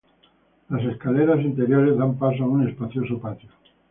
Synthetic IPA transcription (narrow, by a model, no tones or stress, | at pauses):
laseskaleɾas̬int̪eɾjoɾezðampas̬oaune̞spaθjosopat̪jo